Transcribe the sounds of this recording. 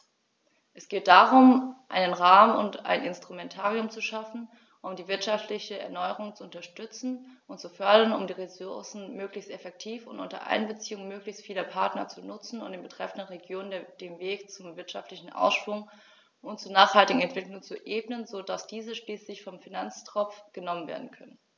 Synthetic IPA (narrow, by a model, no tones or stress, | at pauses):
ʔɛsɡ̥eːt̚d̥aːʁʊmʔa̰ɪnənʁaːmʊ̰nta̰ɪnɪnstʁ̥umɛntʰaːʁiʊmt͡suʃafn̩ | ʔʊmdiːvɪɐtʃaftʰlɪçəɛ̰ɐnɔʏəʁ̞ʊŋt͡suʊntɐʃtʏt͡sn̩ʔʊntt͡sufœɐdɐnʊmdiːʁesʊɐsn̩møːklɪçstɛfɛk̚tʰiːfʊntʔʊ̰ntɐ̰ʔa̰ɪnbət͡siːʊŋmøːklɪçstfiːlɐpʰaɐtnɐt͡sunʊt͡sn̩ʊ̰ntd̥eːnbətʁ̥ɛfn̩dənʁeɡjoːnəndd̥eːmveːkt͡sʊmvɪɐtʃaftlɪçn̩ʔa̰ʊsʃv̥ʊŋ | ʔʊntt͡suːɐnaːχhaltɪɡŋ̩ɛntv̥ɪklʊŋt͡suʔeːbnənzodasd̥iːzəʃliːslɪçfɔmfinant͡stʁ̥ɔp͡fɡ̥ənɔmənvḛːɐdn̩kʰœnən